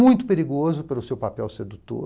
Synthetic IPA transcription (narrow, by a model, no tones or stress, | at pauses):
mũj̃t̪ʊ̥peɾiɡozʊpelʊsewpapɛwsed̪ut̪o̰